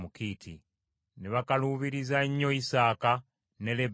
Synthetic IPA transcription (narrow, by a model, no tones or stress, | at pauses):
mukiːtʰi | neβakaluːβiɾizaɲːo̞isaːka | ne̞leb